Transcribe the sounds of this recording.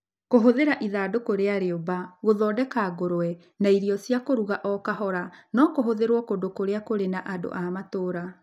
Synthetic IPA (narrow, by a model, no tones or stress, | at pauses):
koɦoðeɾaʔiðaːdokoɾeaɾeobaɣoðɔːdɛkaɣoɾoɛ | naiɾijɔsiakoɾuɣaʔɔkaɦɔɾanɔkoɦoðeɾwɔkodokoɾeakoɾenaʔado̰ʔamatoːɾa